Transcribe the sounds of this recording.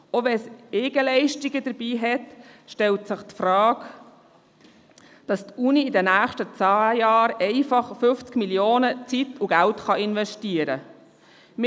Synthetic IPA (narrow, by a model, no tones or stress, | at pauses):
oʋɛseːɡ̥əlɛɪʃtiɡəd̥əɾb̥iːɦɛtʃtɛltsəχtfrɑːk | d̥ɑstuniɪdɛnæːχʃtət͡sɑːjɑːɾɛɪfɑχfʏft͡skmiljoːnət͡sitʊɡæltχɑɪnʋɛʃtiəɾə | m